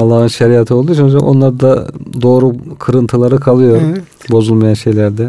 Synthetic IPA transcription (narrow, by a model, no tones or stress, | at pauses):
alˠːaːɯnʃeɾijaːt̪ʰɯolˠd̪ut͡ʃʰanz̰ʔo̞nlˠaɾɯd̪ad̪o̞ːɾukʰɯɾɯnt̪ʰɯlˠaɾɯkʰalˠɯjo̞ɾ | bo̞zulˠmajanʃe̞jlʲæɾd̪ɛ